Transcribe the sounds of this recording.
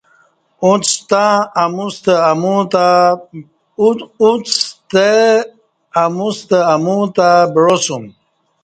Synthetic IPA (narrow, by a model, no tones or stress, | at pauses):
ut͡st̪aːmust̪eamut̪a | ut͡st̪e | amust̪eamut̪abɾosum